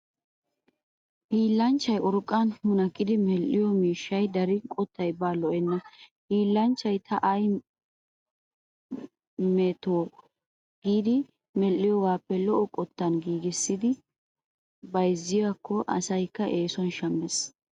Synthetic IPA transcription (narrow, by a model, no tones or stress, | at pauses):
hiːlːɐnt͡ʃːɐjʔʊɾkʼːanhʊnɐkʼːɪd̪ɪmɛlʔːɪjɔmiːʃːɐjd̪ɐɾɪkʼɔt̪ʰːɐjbaːlɔʔɛnːɐhiːlːɐnt͡ʃːɐjt̪ʰɐʔɐj | mɛt̪oː | ɡ̥iːd̪ɪ | mɛlːɪjɔɡaːpːɛlɔʔɔkʼɔt̪ːɐnɡiːɡɪsːɪd̪ɪ | bɐjzːɪjakːɔʔɐ̰sɐjkːɐʔeːsɔnʃɐmːɛs